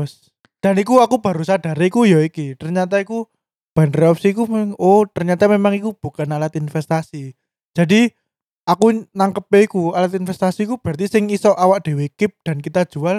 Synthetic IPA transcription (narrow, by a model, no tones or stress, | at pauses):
s | d̥a̤nikuakub̥a̤ɾusad̥a̤ɾekujɔikit̪ərɲat̪aiku | b̥a̤nreɔpsikumeaŋot̪ərɲat̪amemaŋikub̥ṳkanalat̪infɛst̪asi̥ | d͡ʒ̥a̤di | akunaŋkəp̚eikualat̪infɛst̪asikub̥a̤t̪isɪŋisɔʔawak̚d̥e̤wekɪp̚d̥a̤nkit̪ḁʒ̥ual